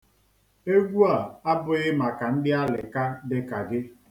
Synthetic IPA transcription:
e˦ɡʷu˦a˨a˦bʊ˨ɣɪ˦ma˨ka˨n̩˦dɪ˦a˦lɪ̰˨ka˦dɪ˦ka˨ɡɪ˦

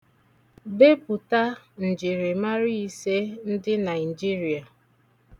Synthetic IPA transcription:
be˦bʊ˨ta˦n̩˨d͡ʒi˨ɾɪ˨ma˦ɾɪ˦i˦se˦n̩˦dɪ˦na˨ɪ˨d͡ʒi˦ɾi˨a˨

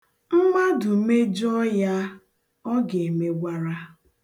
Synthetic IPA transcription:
m̩˦ma˦dʊ˨me˦d͡ʒɔ˦ja˦ | ɔ˦ɡe˨me˨ɡʷa˦ɾa˦

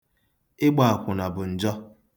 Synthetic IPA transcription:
ɪ˦ɡ͡ba˨a˨kʷʊ˨na˨bʊ˨n̩˨d͡ʒɔ˦

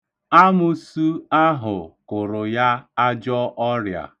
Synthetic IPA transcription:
a˦mʊ˨su˦a˦ɦʊ˨kʊ˨ɾʊ˨ja˦a˦d͡ʒɔ˦ʔɔ˦ɾja̰˨

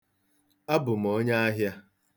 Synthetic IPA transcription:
a˦bʊ˨m̩˨o˦ɲa˦a˦ɦja˦

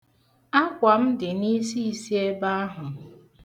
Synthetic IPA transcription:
a˦kʷa˨m̩˦dɪ˨ni˦si˦˨si˦e˦ba˦a˦ɦʊ˨

